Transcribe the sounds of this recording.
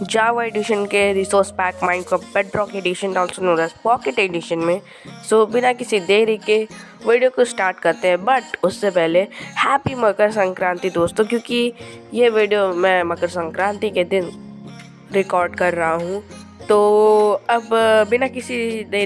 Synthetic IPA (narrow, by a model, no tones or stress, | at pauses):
d͡ʒaːʋaeːɖɪʃənkeɾiːsoːɾspɛːkmãːɪ̃ɳɖkɾoːpbɛɖɾɔːkeɖiʃənɔːlsonõːd̪apɔːkeʈeːɖɪʃənmẽ | soːbɪnakɪsid̪eːɾike | ʋeːɖijokosʈaːɾʈkɐɾt̪eɦɛ̃bɐʈʊsːepɛɦlehɛːpimɐkəɾsɐ̃ŋkɾãːnt̪id̪oːst̪õkjõːkijeʋeːɖijomɛ̃mɐkəɾsɐ̃ŋkɾãːnt̪iked̪ɪn | ɾɪkɔːɾɖkɐɾːɐɦaɦũ | t̪oːɐbbɪnakɪsid̪eː